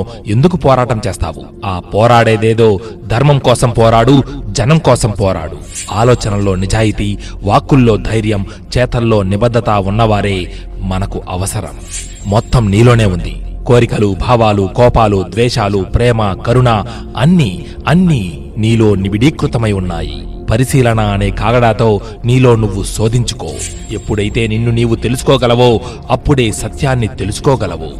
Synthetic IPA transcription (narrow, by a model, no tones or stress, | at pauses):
end̪ukupɔːɾaːʈɐmt͡ʃeːst̪a̰ːʋu | aːpɔːɾaːɽeːd̪eːd̪o̞ːd̪ʱɐɾmɐmkɔːsɐmpɔːɾaːɽud͡ʒɐnɐmkɔːsɐmpɔːɾa̰ːɽu | aːlɔːt͡ʃɐnɐlo̞ːnid͡ʒaːjit̪iː | ʋaːkːulːo̞ːd̪ʱɐjɾjɐm | t͡ʃɛːt̪ɐlːo̞ːnibɐd̪ʱːɐt̪aːunːɐʋaːɾe̞ː | mɐnɐkuʔɐʋɐsɐɾɐ̰mː | ɔt̪ːɐmniːlo̞ːne̞ːund̪ḭkoːɾikɐlubʱaːʋaːlukɔːpaːlud̪ʋɛːʂaːlupɾɛːmɐkɐɾuɳa | ɐnːi | ɐnːi | niːlo̞ːnibiɽiːkɾut̪ɐmɐjunːa̰ːjḭ | pɐɾisiːlɐnaːneːkaːɡɐɽaːt̪o̞ː | niːlo̞ːnuʋːuso̞ːd̪ʱiɲt͡ʃu̥koː | e̞pːuɽɐjit̪e̞ːninːuniːʋut̪e̞lusu̥kɔːɡɐlɐʋoː | ɐpːuɽe̞ːsɐt̪jaːnːit̪e̞lusu̥kɔːɡɐlɐʋo̰ː